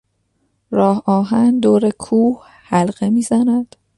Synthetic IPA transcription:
ɾɒːhɒːɦænd̪oːɾekʰuːh | hælɢe̞miːzænæd̪̥

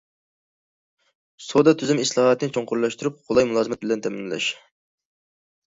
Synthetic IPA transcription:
sod̪ɑt̪ʰyzymislˠɑhɑt̪ːnɨnt͡ʃʰoɴqʊɾlˠɑʃt̪uɾup̚qʰolˠɑjmulˠɑːzɨmɛt̪̚bɪlɛnt̪ʰɛmɪnlɛ̰ʃ

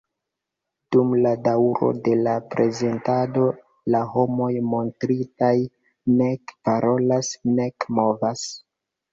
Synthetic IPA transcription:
d̥umladawɾo̞̰de̞lapɾe̞ze̞ntado̞ | laho̞mo̞jmo̞ntɾitaj | ne̞kpaɾʔo̞lasne̞kmo̞vas

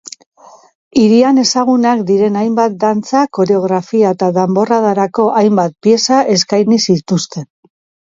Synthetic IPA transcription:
iɾiane̞saɣ̞unakd̪iɾe̞najmbat̪̚d̪ant͡sako̞ɾe̞o̞ɣ̞ɾafiaet̪aðambo̞raðaɾako̞ʔajmbat̪̚pie̞saʔe̞skajnisit̪ust̪e̞n

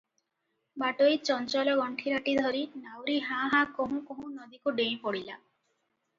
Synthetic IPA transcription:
baʈojt͡ʃɔnt͡ʃɔlɔɡɔɳʈʰiɾaʈid̪ʱɔɾinawɾiɦãɦãkoɦũkoɦũnɔd̪ikuɖej̃pɔɽila

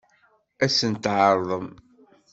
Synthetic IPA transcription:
æsənt̪ʕəɾˤðˤəm

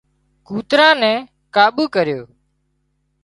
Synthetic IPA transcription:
kuːt̪ɾãːnɛ̃ː | kaːɓuːkəɾjoː

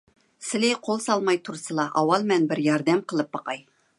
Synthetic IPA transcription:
sɪ̆lejqʰolˠsɑlˠmɑjt̪ʰuɾsəlˠɑʔɑwɑlˠmænbɪɾjɑɾd̪æmqʰəlˠɤp̚bɑqɑj

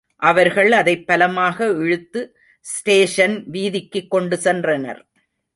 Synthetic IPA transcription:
ʔɐʋɐɾɣɐɭɐðɐɪpːɐlɐmaːɣɐɛɻɯt̪ːɯ | sʈeːʂɐnʋiːðɪkːɯkːɔɳɖɯsɛndrɐnɐ̰ɾ

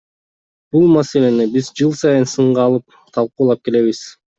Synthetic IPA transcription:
b̥ulˠmase̞le̞nibizd͡ʒɯlˠsɑjɯnsɯɴʁɑːlˠɯp̚ | t̪ʰɑlˠquːlˠɑp̚ke̞le̞βiz̥

